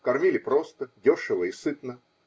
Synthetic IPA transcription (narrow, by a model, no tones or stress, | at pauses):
kɐrmʲilʲɪpɾo̞st̪ədʲoʂɨvəɪsɨt̪nə